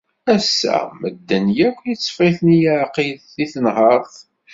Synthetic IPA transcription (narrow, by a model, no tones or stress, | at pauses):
æsːæ̰məd̪ːənjækʷːjət͡sːə̥fiθnijəʕqiðθiθənɦəɾˤθ